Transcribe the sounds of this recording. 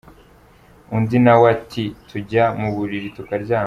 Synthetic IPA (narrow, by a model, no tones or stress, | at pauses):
undinawatʰitʰuɟamuβuɾiɾitukaɾɟaː